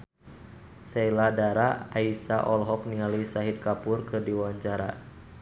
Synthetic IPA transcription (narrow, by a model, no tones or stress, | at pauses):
sɛiladaɾaaisaʔɔlɦɔk̚niŋalisaɦit̪̚kapʊrkɨrdiwaɲt͡ʃaɾa̰